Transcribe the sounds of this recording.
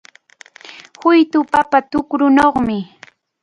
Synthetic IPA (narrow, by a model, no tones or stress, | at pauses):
hʊjt̪ʊpapat̪ʊkɾʊnoχmɪ